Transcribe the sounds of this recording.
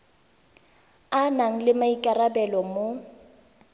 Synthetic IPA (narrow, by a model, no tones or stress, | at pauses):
anaŋ̩lɪmaikʼarabɛlɔmo